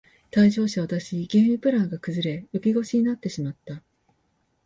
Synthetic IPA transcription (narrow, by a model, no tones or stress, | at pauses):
t̪aiʑo̞ːɕaβat̪aɕiɡʲeɰmʲipɯ̟ɾãŋɡakɯ̟zɨɾe̞jokʲiɡo̞ɕiɲ̟inat̪ːe̞ɕimat̪ːa